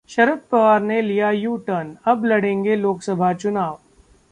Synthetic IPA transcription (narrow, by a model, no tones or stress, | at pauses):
ʃɐɾəfpɐʋaːɾnelijajuːʈənɐblɐɽẽːŋɡeloːksɐbʱat͡ʃʊnaːʋ